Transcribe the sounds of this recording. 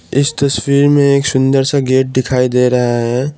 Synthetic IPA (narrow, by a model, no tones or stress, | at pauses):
ɪst̪ɐswiːɾmẽeːksʊ̃nd̪əɾsaɡeːʈ̚d̪ɪkʰaːid̪eːɾɐɦaɦɛː